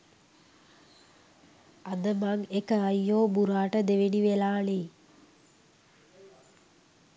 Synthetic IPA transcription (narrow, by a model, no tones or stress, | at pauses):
ad̪əmaŋekəajːoːbuɾaːʈəd̪eʋeniʋelaːle